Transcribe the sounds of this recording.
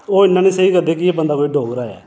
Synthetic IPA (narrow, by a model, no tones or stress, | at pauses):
oːɪnːãːnĩːsəiːkəɾd̪eːkɪeːbənd̪aːkoːiːɖʱoːɡɾaːɛ̰ː